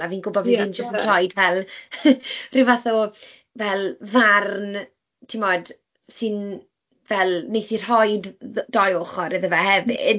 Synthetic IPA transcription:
aviːnɡʊbɔdiɨnd͡ʒəstənr̥ɔjdvɛlˠ | rɪwvaθɔ | vɛlˠvarn | tʰimɔd̥ | sɨn | vɛlˠnejθir̥hɔjdd̥ɔjoχɔɾəðəvahɛvɪ̰

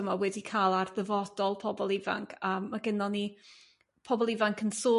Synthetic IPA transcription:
əmawɛdikʰaːlˠarðəvɔd̥ɔlˠpʰɔbɔlˠɪva̰ŋkʰəːmːaɡɪnɔni | pʰɔbɔlˠɪvaŋkʰənsoː

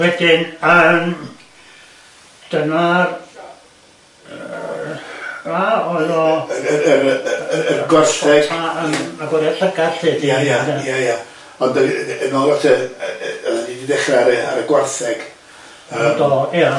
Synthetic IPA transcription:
wɛdɪnəm | d̥ənar | aɔɨðɔəɾəɡwarθɛɡ̥aəmːaɡwɔɾjaɬəɡaɬɨdjajaajaja | ɔndəənɔlˠvatʰə | əlanididɛχraaɾəa̰ɾəɡwarθɛɡ̥ | ədɔja

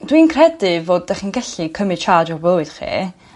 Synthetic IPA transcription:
dwiːnkʰrɛdɨvoːd̚ːɛχinɡɛɬikʰəmɨ̥t͡ʃʰaːd͡ʒɔrblˠoɨd̥χḭː

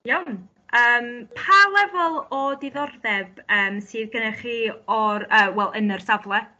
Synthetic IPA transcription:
jawn | əːmpʰalˠɛvɔlˠɔdɪðɔrðɛbəːmsɨːðɡənɛχiːɔɾəːwɛlˠʔənər̥savlˠɛ

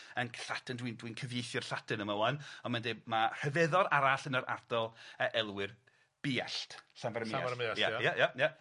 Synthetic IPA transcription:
ənɬatəndwindwinkʰəvjejθjɔrɬatʰɨnəməwanɔnmandemar̥əvɛðɔɾaɾaɬənəɾʔa̰rdɔlˠəʔɛlˠwɪr | b̥ɪa̰ɬtɬanvaɾmajajajaja

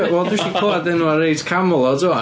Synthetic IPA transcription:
wɛlˠduʃikʰoadɛnuaɾejdkʰamʊlˠɔdua

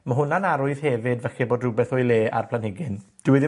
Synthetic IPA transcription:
məɦʊnanaɾʊɨð̥hɛvɪdvɛxɛboːdrʊbɛθɔjleːa̰rpʰlˠanhɪɡɪnd̥ɪwɪðɪ

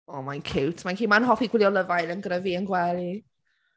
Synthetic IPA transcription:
ɔːmajnkʰɪwtʰmankʰiːmanhɔfiɡwɪlˠjɔləvajlənɡrəviənɡwɛli

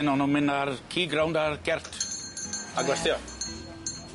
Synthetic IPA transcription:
nɔnɔmɪnaɾkʰiːɡɾawndaɾɡ̥ɛr̥t | aɡlɛsθjɔ

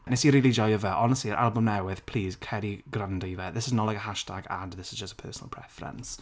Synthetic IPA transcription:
nɪsəɹiːlid͡ʒɔɪəvəʔɔnəstliəʔa̰lˠbə̃mnaʊwɪð̥pʰl̥iːz̥kʰɛɾiɡɹãndəvəðɪsɪznəʔlaɪkəɦaʃtʰaɡə̰̃nðɪsɪzd͡ʒəstəpʰɜ̰ːˑsənəlˠpʰɹ̥ɛfəɹə̰̃ns

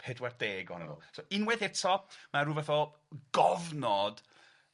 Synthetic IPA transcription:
pʰɛdwɛrd̥eːɡɔnə̰nṵsoɪnwɛðɛtʰɔmaɾuːvɛθɔ | ɡ̥ɔvnɔd̥

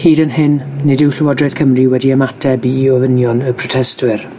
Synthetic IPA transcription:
hiːdənɦɪnːɪdɪwɬɪwɔdrɨð̥kʰəmrɪwɛdiəmatʰɛbiːɔvənjɔnəpʰrɔtʰɛstwɪr

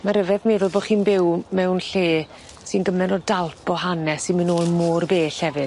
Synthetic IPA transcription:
maɾəvɛðmeːðʊlˠbo̥ːχiːnbɪwmɛwnɬeː | sinɡəmɛnɔdalˠpɔɦanɛsɪnmɨnoːlˠmoːrbeːɬhɛvɨd

